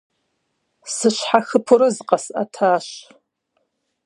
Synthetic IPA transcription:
sɨʃʷħaxɨpʰɨɾɨzqʼasa̰tʰaːʃ

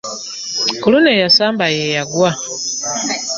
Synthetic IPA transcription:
kulunejasaːmbajejaɡwa

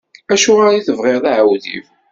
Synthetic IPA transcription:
æʃʊʁaɾiθəvʁeɾðˤaʕawðḭf

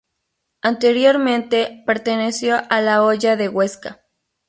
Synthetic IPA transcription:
ant̪eɾjoɾmẽnt̪epeɾt̪enesjoʔalaoʝaðeɣweska

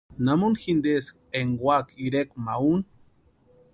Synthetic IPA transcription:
namunxind̪es | eŋɡwakiɾekmaun

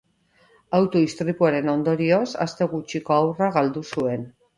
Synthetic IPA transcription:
awt̪o̞ist̪ɾipuaɾe̞no̞nd̪o̞ɾio̞sa̰st̪e̞ɣut͡ʃiko̞awraɣald̪usue̞n

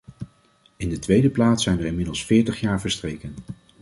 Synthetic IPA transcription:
ɪndətʋejdəplaːtsɛjnʋəɹɪnmɪdəlˠsfɪːɹtəχjaːɹvəɹstrejkən

